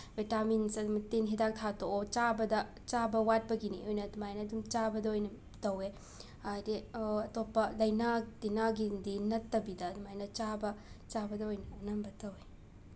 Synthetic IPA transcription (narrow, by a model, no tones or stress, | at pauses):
vitaminsɐdumɐtenɦedak̚tʰatoot͡ʃabɐdɐ | t͡ʃabɐwat̚pɐɡinḭojnɐdumajnɐːdumt͡ʃabɐdɐojnɐ | tɐwe | adeɐtopːɐlɐjnalenaɡindinɐtːɐbidɐːdumajnɐt͡ʃabɐt͡ʃabɐdɐojnɐɐnɐmbɐtɐwe